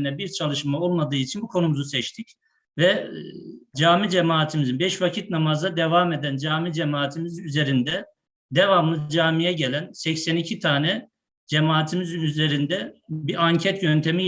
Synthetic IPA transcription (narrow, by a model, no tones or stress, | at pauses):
nɛbiɾt͡ʃʰalˠɯʃmao̞lˠmad̪ɯːit͡ʃʰinbukʰo̞numuzusɛt͡ʃt̪ʰic | vɛ | d͡ʒaːmid͡ʒemaːt̪ʰimizinbɛʃvacʰit̪̚namazd̪ad̪evamed̪ænd͡ʒaːmid͡ʒemaːt̪ʰimizyze̞ɾind̪ɛ | d̪evamɯnɯd͡ʒaːmijɛɟelʲænsɛcsɛnicʰit̪ʰaːnɛ | d͡ʒemaːt̪ʰimizyze̞ɾind̪ɛbiʔaɲcʰɛt̪ɟønt̪ʰe̞mi